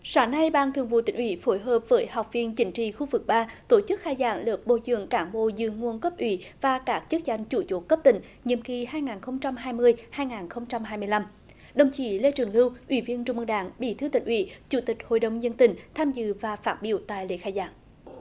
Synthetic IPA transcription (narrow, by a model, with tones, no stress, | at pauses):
saː˨˦ŋna˧jɓaː˧˩ŋt̪ʰɨ˨əŋvṵ˧˨t̪ï˨˦ŋ̟ʔwḭ˧˦fo˨˦jɦəː˨˩p̚vəː˨˦jha˨˩wk͡p̚vi˧˩ənt͡ɕï˨˦ŋ̟t͡ɕḭ˧˨xu˧vɨ˨˩k̚ɓaː˧t̪o˧˩t͡ɕɨ˦˥k̚xaː˧jza̰ː˧˩˦ŋləː˨˩p̚ɓo̰˧˨˩zɨ̰˧˨əŋkaː˨˦ŋɓo̰˧˨zɨ̰˧˨əŋu˨˧˩ənkə˦˥p̚ʔwḭ˧˩˦vaː˨˩kaː˦˥k̚t͡ɕə˦˥k̚za˧˩jŋ̟t͡ɕu˧˩˦t͡ɕo˨˦kə˦˥p̚t̪ï˧˩˦ŋ̟ | ɲḭ˧˨əmki˧˩haː˧jŋaː˨˩nxə˧wŋ͡mt͡ɕa˧mɦaː˧jmɨ˧əjhaː˧jŋaː˨˩nxə˧wŋ͡mt͡ɕa˧mɦaː˧jmɨ˧əjla˧m | ɗə˨˩wŋ͡mt͡ɕḭ˧˩le˧t͡ɕɨ˨˩əŋlɨ˧wʔwḭ˧˩˦vi˧ənt͡ɕʊ˧ŋ͡mmʔɨ˧ŋɗaː˧˦ŋɓḭ˧˩t̪ʰɨ˧wt̪ï˧˩ŋ̟ʔwḭ˧˩˦t͡ɕu˧˦t̪ï˨˩k̟̚ho̰˧˨jɗə˨˩wŋ͡mzə˧nt̪ï˧˩˦ŋ̟t̪ʰaː˧mzɨ̰˧˨vaː˨˩faː˦˥t̚ɓḭ˧˨əwt̪a̰ː˧˨jlḛ˧˨˦xaː˧jza̰ː˧˩˦ŋ